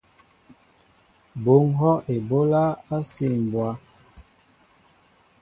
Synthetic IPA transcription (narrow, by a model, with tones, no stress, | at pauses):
bo˨˦ŋɦɔ˦ʔe˨bo˦la˦a˦si˦˨m˨bwa˦